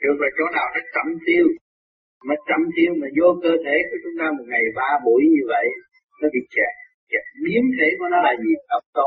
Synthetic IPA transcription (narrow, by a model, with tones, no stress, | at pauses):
ɗɨ˨˧˩fɔ˨˩jt͡ɕɔ˨˦ɗaː˨˩wzə˦˥k̚t͡ɕ̪ə̰˧˨mt̪i˧əw | mɔ˨˦t̪ə̰˧˨mt̪i˧əwmaː˨˩zo˧kəː˧t̪ʰe˧˩˦ku˨˩˦t͡ɕʊ˨˦ŋ͡mt̪aː˧mo˨˩t̚ŋa˨˩jɓaː˧ɓu˧˩˦jɲɨ˧və̰˧˨j | nəː˨˦vi˨˩t͡ɕa˧˩˨ | t͡ɕa˧˨˩ɓi˨˦əmt̪ʰe˧˦kɔ˨˦nɔ˨˦laː˨˩zi˨˩ɗə˨˩wŋ͡m̚t̪ə˧